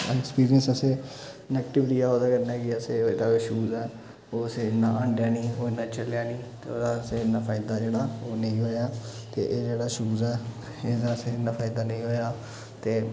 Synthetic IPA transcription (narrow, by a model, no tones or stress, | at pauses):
ɛkspiːɾiənsəsẽː | nɛːkʈɪʋɪʈiːaːoːd̪aːkəɾnaːkɪəseːed̪aːʃuːzɛː | oːəsẽːnaːə̃ɳɖjaːniːoːɪnãːt͡ʃəljaːniːt̪ḛo̰ːd̪aseːnaːpʰaːɪd̪aːd͡ʒeːɽaːoːnə̃ĩːɦoːjaːt̪eːʔeːd͡ʒeːɽaːʃuːzɛː | ed̪aːəseːnãːpʰaːɪd̪aːnə̃ĩːɦoːjaː | t̪eː